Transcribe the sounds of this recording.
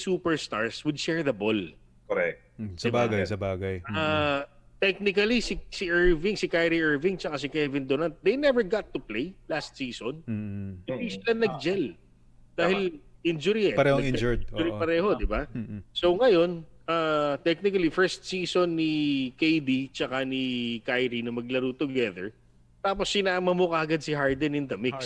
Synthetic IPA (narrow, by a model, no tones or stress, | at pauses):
suːpɛɹst̪a̰ɹswɪd̪̚ʃɛɹðɐbol | koɾɛk̚t̪sɐbaːɡɐjsɐbaːɡɐja | t̪ɛk̚nɪkɐlisɪsiʔɛɹvɪŋsɪkajɾiʔɛɹvɪŋt͡ʃɐkas̬ɪkɛvɪnd̪onɐnt̪̚d̪ejnɛvɛɹɡat̪ːuplejlast̪̚siːsonbɪisɪlanɐɡ̚d͡ʒɛl | d̪aːhɪlʔɪnd͡ʒʊɾiɛpɐɾɛoid͡ʒʊɾipɐɾɛːho̞d̪ɪbaso̞ŋɐjo̞nʔaːt̪ɛk̚nɪkɐlifɛɹst̪̚siːsonːikejd̪it͡ʃɐkanikajɾinɐmɐɡ̚lɐɾut̪ʊɡɛðɛ̰ɹ | t̪aːp̬osːɪnaːmɐmokɐʔɐɡad̪̚sɪɦaɹd̪ɛnɪnd̪ɐmiks